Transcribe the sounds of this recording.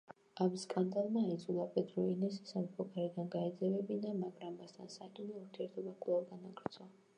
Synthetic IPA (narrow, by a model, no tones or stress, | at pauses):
amskʼand̪alˠmaːɛd̪zulˠapʼɛd̪ɾɔinɛsisamipʰɔkʰʼaɾid̪anɡaɛd̪zɛvɛbinamaɡɾambast̪ʰansat̪ʼinɛuɾt̪ʰiɛɾt̪ʰɔbakʼlˠavɡanaɡɾt̪sʰwa